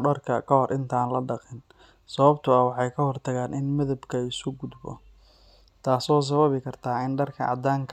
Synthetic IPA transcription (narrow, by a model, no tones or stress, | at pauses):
ɖɐrkʰɐkʰɐɦɔrʔɪnt̪ʰaːnlɐɖɑqɪn | sɐβɐbt̪ʰʊɐwɑħɑjkʰɐɦɔrt̪ʰɐɣaːnʔɪnmɐðɐbkʰɐɪsʊɡʊd̪bɔ̰ | t̪ʰaːsɔːs̬ɐβɐβɪkʰɐrt̪ʰaːɪnɖɐrkʰɐ̰ʕɑ̰d̪aːŋkʰ